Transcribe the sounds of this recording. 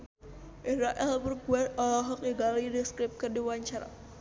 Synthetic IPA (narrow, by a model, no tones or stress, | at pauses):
ʔisɾaʔɛlbərbuɛt̪ɔlaɦɔk̚iɡalidəskɾɪp̚kərdiwaɲt͡ʃaɾa̰